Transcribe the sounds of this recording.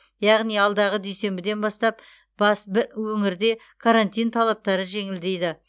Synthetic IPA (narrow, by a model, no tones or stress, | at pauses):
jɑʁnijɑlˠd̪ɑʁəd̪ejse̞mbɪd̪e̞nbɑst̪ɑp | b̥ɑsbɪɾwɵŋɪɾd̪e̞ | kʰaɾant̪ijnt̪ʰɑlˠɑp̚t̪ɑɾəʒe̞ŋɪld̪e̞jd̪ɪ